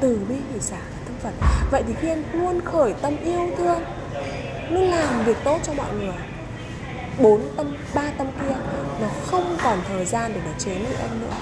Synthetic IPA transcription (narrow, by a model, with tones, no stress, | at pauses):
t̪ɨ˨˩ɓi˧ki˧˩saː˧˩aː˨˩t̪ʰə˧ŋ͡mfə˨˩t̚və̰˧˨jt̪ʰi˨˩xi˧ʔɛ˧mlu˧ənxəː˧˩jt̪ə˧mʔi˧əwt̪ʰɨ˧əŋ | nɨ˨˦laː˨˩mvi˨˩ək̚t̪o˦˥t̚t͡ɕɔ˧mɔ̰˧˨jŋɨ˨˩əj | ɓo˨˦nt̪ə˧m | ɓaː˧t̪ə˧mki˧ənaː˨˩xə˧wŋ͡mkɔ˨˩nt̪ʰəː˨˩jzaː˧nɗe˧˩nɔ˨˩t͡ɕe˨˦nɨ̰˧˩ʔɛ˧mnɨ̰˧˥ə